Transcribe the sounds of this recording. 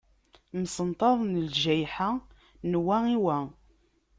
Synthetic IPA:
msənt̪ˤɑðˤnəlʒæjħa | nwæiwæ

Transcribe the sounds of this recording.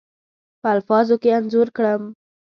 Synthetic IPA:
pəalfɑzokeanzuɾkɽəm

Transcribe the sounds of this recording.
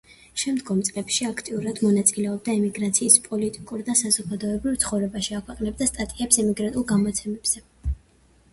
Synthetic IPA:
ʃɛmd̪ɡɔmt̪sʼlɛpʃiakʰt̪ʼiuɾad̪mɔnat̪sʼilɛɔb̚d̪aimiɡɾat̪sʰiːspʼɔlit̪ʼikʼuɾd̪asazɔɡad̪ɔɛbɾivt̪sʰχɔvɾɛbaʃiakʰwɛqʼnɛb̚d̪ast̪ʼat̪ʼiɛpsɛmiɡɾat̪ʼulˠɡamɔt̪sʰɛmɛb̥z̥ɛ

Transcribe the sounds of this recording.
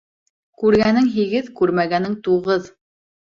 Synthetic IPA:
kʉɾɡænɘŋɦiɡɘðkʉɾmæɡænɘŋt̪uʁɤð

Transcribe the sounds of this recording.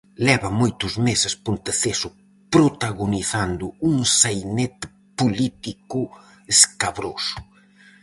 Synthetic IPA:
lɛβɐmojt̪ʊzmesespunt̪eθesʊ | pɾot̪aɣuniθand̪ʊuŋsajnet̪ | pulit̪iku | eskaβɾosʊ̥

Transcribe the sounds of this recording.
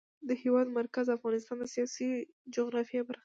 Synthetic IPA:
d̪əhewɑd̪maɾkazafɣɑnɪs̬t̪ɑnd̪əsijɑsi | d͡ʒʊɣɾɑfjɑbəɾa

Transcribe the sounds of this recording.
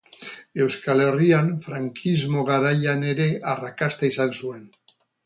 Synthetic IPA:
e̞wskale̞rianfɾaŋkʰizmo̞ɣaɾajane̞ɾe̞ʔarakast̪aisansue̞n

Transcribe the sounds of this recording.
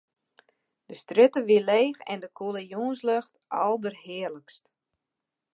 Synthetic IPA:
d̥əstrøtəʋileːxɛ̰ndəkʰulejoːənsløxtʔɔlˠdərɦɪərləkst

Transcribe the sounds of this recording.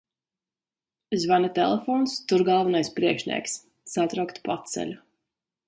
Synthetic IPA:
zvanit̪ɛ̰lˠefɔːnst̪uɾɡalˠvanajspɾiɛkʃnʲḭɛks | sat̪ɾawkt̪pat̪sɛ̰lʲu

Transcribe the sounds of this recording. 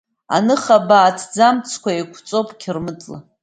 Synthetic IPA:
a̰nɨχabaːtʰd͡zamt͡sʰkʷaikʷʰt͡sʼopʼkʲʰɪrmɨtʼla̰

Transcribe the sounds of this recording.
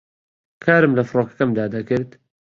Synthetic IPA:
kʰaːɾɨmlɐfɨɾoːkɐ̥kɐmd̪aːd̪ɐkɨɾd̪

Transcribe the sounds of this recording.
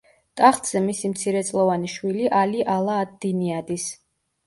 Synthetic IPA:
t̪ʼaχt̪ʼz̥ɛmisimt̪sʰiɾɛt̪sʼlˠɔvaniʃwiliʔaliʔalˠaːd̪̚iniad̪is

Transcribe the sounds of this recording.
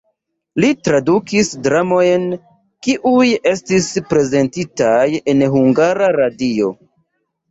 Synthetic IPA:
litɾadukisdɾamo̞jn | kiʔuje̞stispɾe̞ze̞ntitaje̞nɦuŋɡaɾaɾadio̞̰

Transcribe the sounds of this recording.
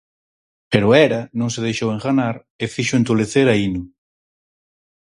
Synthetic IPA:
peɾʊɛɾɐnõŋs̬eð̞ejʃoweŋxanaɾ | efiʃʊent̪uleθeɾainʊ

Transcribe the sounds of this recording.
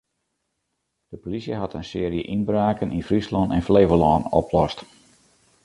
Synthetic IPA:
d̥əpolisjəɦɑtʰənsɪːəɾjə̰ʔinbraːkənʔinfrislɔntɛnfleːvəlɔːnɔ̰pʰlɔst

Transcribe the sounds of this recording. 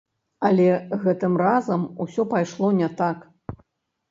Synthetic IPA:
ɐlʲɛɣɛt̪ɨmrazɐmusʲɔpajʂlˠɔnʲɛt̪ak

